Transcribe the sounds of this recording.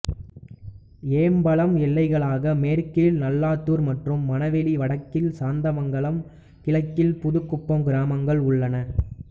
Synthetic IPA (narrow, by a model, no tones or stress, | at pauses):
eːmbɐɭɐmɛlːɐɪɣɐɭaːɣɐmeːɾkɪlnɐlːaːt̪ːuːɾmɐʈrɯmːɐnɐʋɛliʋɐɽɐkːɪlsaːnd̪ɐmɐŋɡɐɭɐm | kɪɭɐɪkːɪlpʊðɯkːʊpːɐmɡɪɾaːmɐŋɡɐɭʊɭːɐnɐ